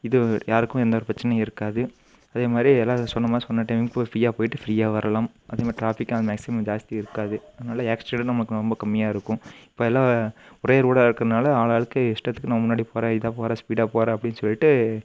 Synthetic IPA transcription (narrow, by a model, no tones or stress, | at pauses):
ɪðɯjaːɾɯkːʊ̃ɛnd̪ɐːɾɯpɾɐt͡ʃːɐnɐɪɾɯkːaːðɯ | ɐðeːmaːd̪ɾiɛlːãːsɔnːɐmaːsɔnːɐʈɐɪmkofɾiːjaːpoːjɪʈːɯfɪɾiːaːʋɐɾɐlãːm | ʔɐðeːmaːdɾiʈɾaːfɪkːnaðmaːksɪmɐmd͡ʒaːst̪iɪɾɯkːaːðɯɐðɐnaːlɐeːksʈeɳɖnɐmɐɭɯkːɾɔmbɐkɐmːɪjaːɪɾɯkːʊ̃ɪpːoːɛlːãːʊɾɐjɐɾuːɽaːɪɾɯkːɾɐnaːlɐaːɭaːɭɯkːɯɪʂʈɐt̪ːɯkːnamːɐmʊnːaːɽipoːɾẽːɪðaːpoːɾãːspiːɽaːpoːɾɛ̃ːɐpːɐɽɪnːɯsɔlːɪʈːɯ